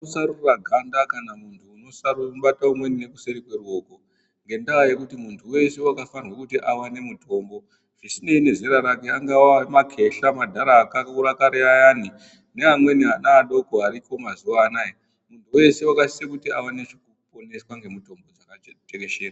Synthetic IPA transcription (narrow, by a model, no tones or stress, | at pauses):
usaruraɡʱandakanamuntʰuːno̞saruɓataumwe̞nine̞kuse̞ɾikwerwo̞ːko | ŋɡe̞ndawaje̞kutimuntʰuwe̞se̞wakafarwekutiʔawane̞mutʰo̞mbo̞ | ʐ̥isine̞ine̞zeɾaɾake̞aŋɡawamakʰe̞ɬamadʱaɾaːkakuɾakaɾeajaːni | ne̞amwe̞niɦanaːɗo̞koaɾipo̞mazuʋaːnaːje | muntʰuwe̞se̞wakasiekutiawanet͡ʃikupo̞ne̞swaŋɡe̞muto̞mbo̞d͡zakateke̞ʃeːra